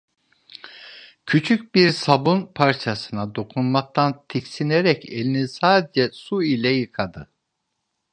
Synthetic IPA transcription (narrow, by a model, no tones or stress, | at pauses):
cʰyt͡ʃʰyc̚ʲbiɾsabunpʰaɾt͡ʃʰasɯnad̪o̞kʰunmak̚t̪ʰant̪ʰicsineɾɛcʰelʲinisaːd̪ɛd͡ʒɛsuilʲɛjɯkʰad̪ɯ